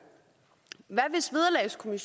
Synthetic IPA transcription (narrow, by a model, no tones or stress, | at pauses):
ʋæʋe̝sʋið̞ˠɐlɛ̰ɪskʰo̝miɕ